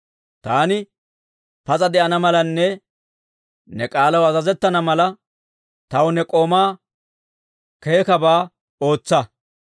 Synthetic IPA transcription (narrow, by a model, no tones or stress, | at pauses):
t̪aːnɪ | pɐzʼɐd̪ɛʔɐnɐmɐlɐnːɛ | nɛkʼaːlɐwɐzɐzɛt̪ːɐnɐmɐlɐ | t̪ɐwʊnɛkʼo̞ːmaː | ke̞ːkɐbaː | o̞ːt͡sːɐ